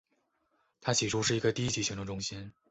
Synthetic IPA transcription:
t̪ʰa˥t͡ɕʰi˨˩ʈ͡ʂʰu˥ʂɻ̩˥˩i˧˥ɡə˧t̪i˥˧i˥t͡ɕʰi˥˩ɕi˧˥ʈ͡ʂ̪ʰʊ˥ŋʈ͡ʂʊ˥ŋɕi˥n

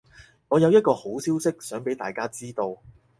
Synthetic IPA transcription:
ŋɔː˨˧jɐ˨˧wjɐ˥t̚kɔː˧ho˨˥wsiː˥wsɪ˥k̚sœː˨˥ŋpe˨˥jt̪aː˨jkaː˥t͡siː˥t̪o˧w

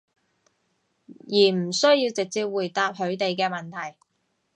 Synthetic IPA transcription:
jiː˨˩m̩˨˩sɵ˥ɥjiː˧wt͡sɪ˨k̚t͡siː˧˥p̚wuː˨˩jt̪aː˧p̚hɵ˨˥ɥt̪e˨jkɛː˧mɐ˨˩nt̪ʰɐ˨˩j

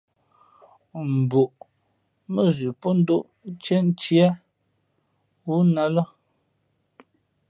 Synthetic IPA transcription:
m̩˨bu˨ʔ | mə˦zʉ˨po˦n̩˦do˦ʔ | t͡ʃe˦n˦t͡ʃi˦a˦ | wu˦na˦lə˦

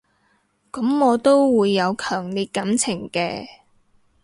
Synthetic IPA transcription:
kɐ˨˥mŋɔː˨˧t̪o˥wwuː˨˧jːɐ˨˧wkʰœː˨˩ŋliː˨t̚kɐ˨˥mt͡sʰɪ˨˩ŋkɛː˧

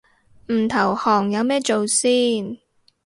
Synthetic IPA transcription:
m̩˨˩t̪ʰɐ˨˩whɔː˨˩ŋjɐ˨˧wmɛː˥t͡so˨wsiː˥n

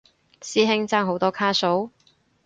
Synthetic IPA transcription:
siː˥ɦɪ˥ŋt͡saː˥ŋɦo˨˧wt̪ɔː˥kʰaː˥so˨˥w

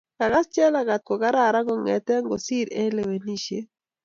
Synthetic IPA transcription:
ka˨ɡa˦st͡ʃɛ˦la˨ɡa˨t̪̚kɔ˨ɡa˦ɾa˦˨ɾa˦ɡɔ˨ŋɛ̰˨t̪ɛ˦ŋɡɔ˨si˦ɾe˦le˨we˨ni˦ʃe˦

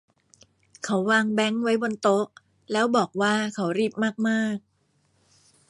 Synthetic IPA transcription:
kʰa˩˦wwaː˧ŋbɛ˦˥ŋwa˦˥jbo˧nt̪o˦˥k̚ | lɛː˦˥wbɔː˨˩k̚waː˥˩kʰa˩˦wɾiː˥˩p̚maː˥˩k̚maː˥˩k̚

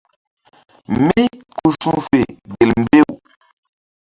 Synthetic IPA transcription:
mi˦ku˨sũ˦fe˨ɡe˨lm̩˦˨be˦˨w

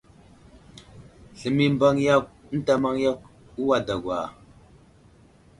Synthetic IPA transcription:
ɬə˨mi˦mba˦ŋja˦k̚n̩˦ta˨ma˦ŋja˦k̚ | u˦wa˨da˨ɡʷwa̰˨

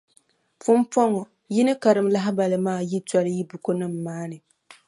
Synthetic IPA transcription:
fʊ˦mpɔ˦ŋɔ˨ | ji˦nɨ˦ka˨ɾɨ˨mla˦ɦɪ˦ba˨lɨ˨maː˦˨ji˦ta˦lɨ˦ji˦bu˨ko˦nɨ˦mː˨aː˦nɨ˨

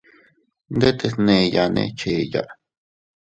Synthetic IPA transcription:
nd̪e˦t̪e˧snẽ˧ja˧nḛ̃˧t͡ʃe˨ja̰˧˨ʔ

